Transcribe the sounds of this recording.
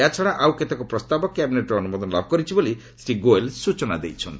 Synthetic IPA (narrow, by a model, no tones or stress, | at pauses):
at͡ʃʰɔɽ̃aʔawket̪akopɾɔst̪abɔkjabineʈrɔːnumɔd̪ɔnlabʱɡɔɾit͡ʃʰiboli | sɾiɡoelsut͡ʃɔna̰d̪ḛjt͡sʰɔn